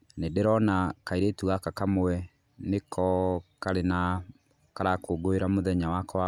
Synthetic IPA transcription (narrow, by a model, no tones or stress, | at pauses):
nedeɾɔnakaiɾetuɣakakamoɛ | nekʰɔkaɾena | kaɾakoːɡoeɾamoðɛɲawakɔa